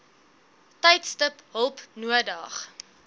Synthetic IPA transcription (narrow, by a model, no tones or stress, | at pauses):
tɛjtstəpɦəlˠpnuədɐχ